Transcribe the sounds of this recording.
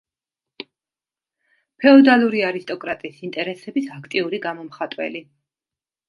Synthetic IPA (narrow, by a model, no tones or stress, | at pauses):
pʰɛɔd̪alˠuɾiaɾist̪ʼɔkʼɾat̪ʼiːsint̪ʼɛɾɛsɛbisakʰt̪ʼiuɾiɡamɔmχat̪ʼwɛ̰li